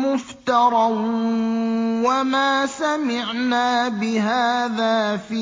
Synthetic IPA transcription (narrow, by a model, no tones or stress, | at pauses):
mʊft̪ɑɾˤɑ | wamaːsamɪʕnaːbɪɦaːðaːfiː